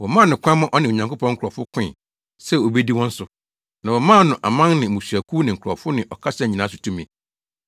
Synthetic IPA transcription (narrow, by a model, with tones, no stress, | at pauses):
wɔ˨mã˦˨nʊ̃˨kʷʰmã˦ʔɔ˦nɪ̃˨o˨ɲã˨ŋkʊ˦pɔ̃˦ŋ̩˦kʰɾɔ˨fʊ˦kʰɪ̃˦˨ | sɛ˦o˨be˦di˦wɔ̃˦n̩˦sʊ˨ | nã˨wɔ˨mãː˦˨nʊ̃˨ʔa˨mã˦ŋnɪ̃˨mũ˨sɥæ˨kʰu˦nɪ̃˨ŋ̩˨kʰʊ˨ɾɔ̰˨fʊ˦nɪ̃˨ʔɔ˨kʰa˦sɛ˦˨ɲ˨ĩ˨nãː˨˦sʊ̥˨tʰũ˦mĩ˨